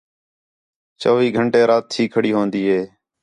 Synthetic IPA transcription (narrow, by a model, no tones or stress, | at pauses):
t͡ʃoːʋiːɡʱəɳʈeːɾaːt̪ʰːiːkʰəɽiːɦoːnd̪iːɦeː